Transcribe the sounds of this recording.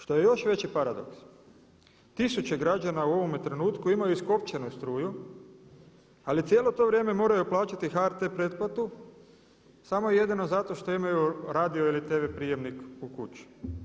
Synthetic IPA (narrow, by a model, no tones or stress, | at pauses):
ʃt̪o̞je̞jo̞ʃʋe̞t͡ɕipaɾad̪o̞̰ks | t̪isut͡ɕe̞ɡɾad͡ʒanauo̞ʋo̞met̪ɾe̞nuːt̪kuimajuisko̞pt͡ɕenust̪ɾuːju | alit̪sjeːlo̞t̪o̞ʋɾʲje̞ːme̞mo̞ːɾajuplˠaːt͡ɕat̪ixaɾt̪epɾe̞t̪̚plat̪u | samo̞jeje̞d̪ino̞zat̪o̞ʃt̪o̞imajuɾaːd̪io̞ilit̪eʋepɾije̞mnikukut͡ʃi̥